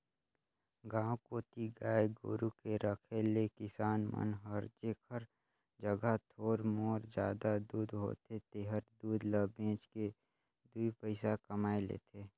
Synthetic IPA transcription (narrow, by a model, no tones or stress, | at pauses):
ɡãːwkoːt̪iɡaːeɡo̰ːɾukeɾəkʰelekɪsaːnmə̰nɦəɾd͡ʒeːkʰəɾ | d͡ʒəɡət̪ʰoːɾmoːɾd͡ʒjaːd̪ad̪uːd̪ɦo̰ːt̪et̪eːɦəɾd̪uːd̪ləbẽːt͡ʃke | d̪uipəɪsakəmaːelḛːt̪ʰeː